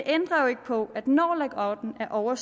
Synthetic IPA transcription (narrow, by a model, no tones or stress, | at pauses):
eʔend̥ʁɐjo̝e̝ɡ̥əpʰɒ̽æd̥nɒ̰ːleɡ̥ɒd̥n̩æɐʔɒʊɐs